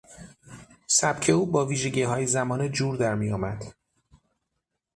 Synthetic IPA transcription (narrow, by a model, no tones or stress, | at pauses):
sæb̥cʰe̞uːbɒːviːʒe̞ɟiːɦɒːjezæmɒːned͡ʒuːɾd̪æɾmijɒːmæd̪̥